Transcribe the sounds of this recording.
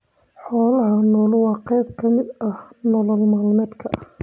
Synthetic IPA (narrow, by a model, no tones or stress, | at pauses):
ħɔːlɐɦɐnɔːlwɑːqɛjb̚kʰɐmɪd̪ɐhnɔlɔlmaːlmɛːd̪kʰɐh